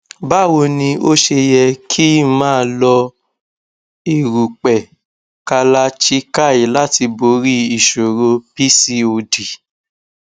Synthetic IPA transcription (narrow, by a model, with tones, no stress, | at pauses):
ba˦˨wo˧nĩ˧o˦ʃe˧jɛ˧kʰi˦mãː˦˧lɔ˧ | i˨ɾu˨k͡pɛ˨ | ka˧la˧t͡ʃi˦ka˦˨i˨la˦ti˧bo˨˦ɾi˦i˨ʃo˨ɾo˧pi˦si˧o˧di˨